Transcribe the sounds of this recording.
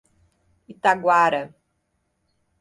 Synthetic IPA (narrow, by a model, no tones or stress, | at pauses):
it̪aɡwaɾɐ